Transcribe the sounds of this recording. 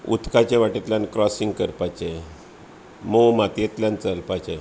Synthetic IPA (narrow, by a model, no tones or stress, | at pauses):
ṵt̪ʰkat͡ɕeʋaʈit̪lʲjankɾɔsĩŋɡkəɾpat͡ɕe | momat̪jet̪lʲjãnt͡səlpat͡ɕe